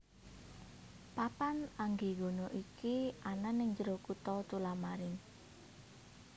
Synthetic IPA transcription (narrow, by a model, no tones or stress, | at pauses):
papanaŋɡiɡo̤noʔikiʔananɪŋd͡ʒəɾokut̪ɔt̪ulamaɾɪn